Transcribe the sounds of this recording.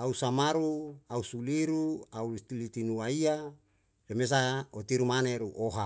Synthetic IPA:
ausamaɾuausuliɾuaut̪ilit̪inuaia | remes̬aot̪iɾumaneɾuʔoɦa

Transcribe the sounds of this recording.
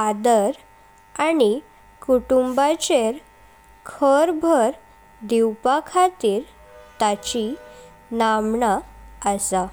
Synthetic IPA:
ad̪əɾ | ani | kuʈumbat͡ɕeɾ | kʰəɾbʱəɾ | d̪iwpakʰat̪iːɾ | t̪at͡ɕi | namɳaəsa

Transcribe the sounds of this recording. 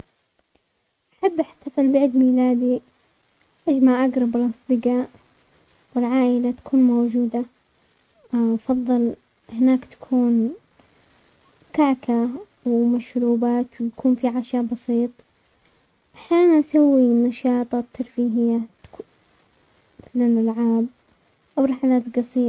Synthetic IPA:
ʔaħabːʔaħt̪afalbaʕd̪miːlaːd̪i | ʔad͡ʒmaʕʔaɡɾˤɑbɪlʔɑsˤd̪ˤɨɡaːʔ | wɪlʕaːʔɪlat̪ḁkʰuːnmowd͡ʒuːd̪a | ʔfɑðˤːɨl | hɪnaːkt̪ḁkʰuːn | kaʕkʰa | wmaʃɾuːbaːt̪wjakʰuːnfiʕaʃaːbɑsiːt̪ˤ | ʔaħjaːnnʔasawːinɑʃɑːt̪ˤɑt̪ʰːɑɾˤfiːɦɪjːat̪ | mɪθlalʔalʕaːb̚ | ʔawɾˤɑħalaːt̪ɡɑsˤiː

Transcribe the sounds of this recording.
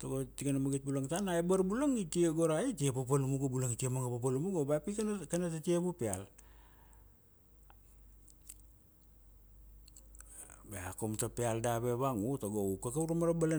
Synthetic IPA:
toɡotikanamaɡit̚bulaŋtanaebaɾbuloŋitieɡoɾaitiepap̬alumuɡobuloŋitiemaŋapapalumuɡobapikkanatatiebupeal | beakomtapealdaβeβaŋutoɡoukakauɾamaɾabala

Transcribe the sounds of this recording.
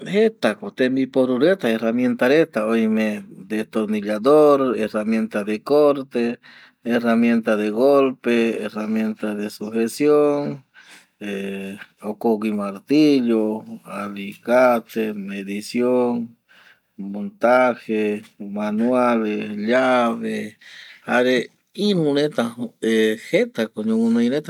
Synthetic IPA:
et̪akot̪emipoɾuɾet̪aeramjent̪aɾet̪aojmed̪et̪oɾniʎad̪oɾeramjent̪ad̪ekoɾt̪eː | ramjent̪aðeɣolpeeramjent̪aðesuxesjoŋ | eokokimaɾt̪iʎoalikat̪emeðisjoŋ | mont̪axemanwaleʎaβe | aɾe | inũnet̪aehet̪akoɲomunainet̪a

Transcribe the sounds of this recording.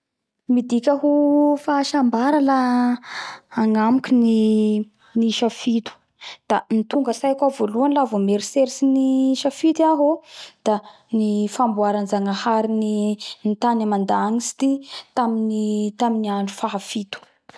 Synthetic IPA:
mid̪ikʲaɦufaʃambaɾala | ŋamukʲini | niʃafit̪u̥ | d̪̥anit̪uŋɡəsajakavoluanlavomeɾiseɾisiniʃafit̪iaɦod̪̥a | nifambuaɾanzaŋahaɾininit̪anamand̪aŋisi̥t̪it̪aminit̪aminiaɳɖ͡ʐufaɦafit̪u̥

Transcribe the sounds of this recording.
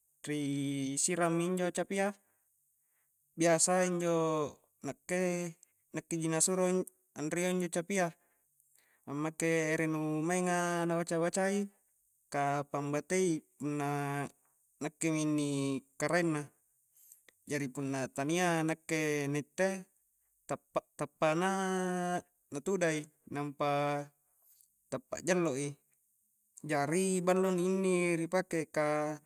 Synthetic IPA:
risiɾamːiɲd͡ʒot͡ʃapia | biasaiɲd͡ʒo | nakːe | nakːed͡ʒinasuɾo | anrioiɲd͡ʒot͡ʃapia | amːakːeːɾenumaiŋanabat͡ʃabat͡ʃai | kapambat̪eipunːa | nakːeminːikaɾainːa | d͡ʒaɾipunːat̪anianakːenet̪ːe | t̪apːaʔt̪apːana | nat̪udai | nampa | t̪apːa̰ʔd͡ʒalːoʔi | d͡ʒaɾibalːoniːnːiɾipakeka

